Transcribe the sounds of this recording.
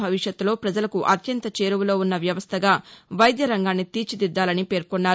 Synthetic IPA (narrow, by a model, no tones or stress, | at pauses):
bʱɐʋiʂjɐt̪ːulo̞ːpɾɐd͡ʒɐlɐkuʔɐt̪jɐnt̪ɐt͡ʃe̞ːɾuʋulo̞ːunːɐʋjɐʋɐst̪ʰɐɡaːʋɐjd̪jɐɾɐŋɡaːnːit̪iːt͡ʃid̪id̪ːaːlɐnipeːɾkonːaːɾ